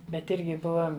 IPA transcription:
ˈbʲɛt ˈɪrʲɡʲɪ ˈbʊʋɐ

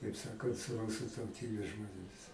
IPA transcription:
kɐɪp ˈsɑːkɐnt sʊ ˈrʊsʊ tɐʊˈtʲiːbʲeːs ʒmoːnʲeːˈmʲɪs

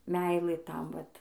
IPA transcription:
ˈmʲɛɪlˠɘ ˈtɐm ˈʋɐt

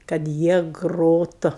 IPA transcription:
kɐt ˈjiɛ ˈɡroːtʊ

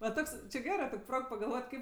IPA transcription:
ʋɐ ˈtoːks t͡ʃʲɪ ˈɡʲæːrɜ ˈtoːkʲ ˈproːk pɐɡɐlˠˈʋoːtʲ ˈkɐɪp

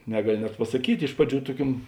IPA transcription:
ˈnʲæːɡɐˌlʲɪ nʲɛt pɐsɐˈkʲiːtʲ ˈɪʃ prɐˌd͡ʒʲuː ˈtuɔˌkʲuɔm

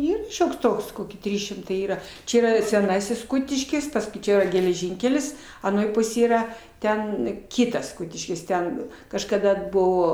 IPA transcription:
ˈiːr ˈʃʲoːks ˈtoːks ˈkoːkʲɪ ˈtʲrʲiːs ʃʲɪmˈtɐɪ ˈiːrɐ ˈt͡ʃʲɛ ˈiːˈrɐ sʲɛˈnɑːsʲɪs ˈkʊtʲɪʃʲkʲɪs ˈpɑːskʊɪ ˈt͡ʃʲɛ iːrɐ ɡʲɛlʲɛˈʒʲɪŋʲkʲɛlʲɪs ɐˈnoːj ˈpʊsʲeːj ˈiːrɐ ˈtʲɛn ˈkʲiːtɐs ˈkʊtʲɪʃʲkʲɪs ˈtʲɛn kɐʃkɐˈdɐ ˈbʊʋoː

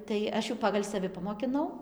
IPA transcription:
tɐɪ ˈɐʃ jɛʊ ˈpɑːɡɐlʲ sɐˈʋʲɪ pɐmoːkʲɪˈnɐʊ

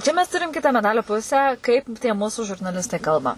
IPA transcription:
ˈt͡ʃʲɛ mʲɛs ˈtʊrʲɪm ˈkʲɪtɐ mʲɛˈdɑːlʲoː ˈpʊsʲæː ˈkɐɪp tʲiɛ ˈmʊsʊ ʒʊrnɐˈlʲɪstɐɪ ˈkɐlˠbɐ

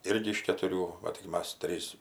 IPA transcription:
ˈɪrʲɡʲɪ ɪʃ kʲɛtʊˈrʲuː ʋɐ tʲɪk ˈmɐs ˈtʲrʲiːs

